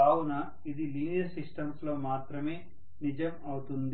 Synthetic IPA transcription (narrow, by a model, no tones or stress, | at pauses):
aːwunɐ | id̪iliːnjɐsisʈɐmslo̞ːmaːt̪ɾɐme̞ː | nid͡ʒɐmɐwut̪und̪i